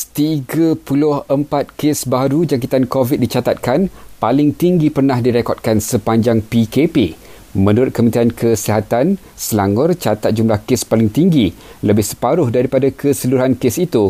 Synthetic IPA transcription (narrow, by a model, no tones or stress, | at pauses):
t̪iɡapulʊhəmpat̪̚kesbaɾud͡ʒaŋk̬it̪ankovit̪̚dit͡ʃat̪at̪̚kanpalɪŋt̪iŋɡipərnãhdiɾekɔt̪̚kansəpaɲd͡ʒaŋpikepe | mə̃nuɾʊt̪̚kəmənt̪iankʰəsiɦat̪an | səlaŋʊrt͡ʃat̪at̪̚d͡ʒumlahkespalɪŋt̪iŋɡi | ləbɪhsə̥paɾʊhdaɾipadakʰəsəluɾɦankesit̪u